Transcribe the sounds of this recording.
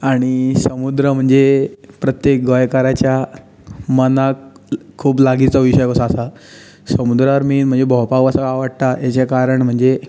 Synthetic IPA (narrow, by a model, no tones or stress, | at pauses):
aɽ̃isəmud̪ɾəm̤əɳd͡zepɾət̪jek̚ɡəjkaɾat͡ɕja | mənakkʰːuːplaɡit͡sɔʋiɕəjkɔsaːsa | səmud̪ɾəaɾmiːnm̤əɳd͡zebʱɔwpakʋasaaʋaɽt̪ajet͡ɕakaɾəɳm̤əɳd͡ze